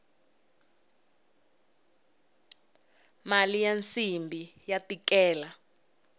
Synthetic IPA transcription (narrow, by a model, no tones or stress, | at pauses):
malijant͡simbʱijatikɛːla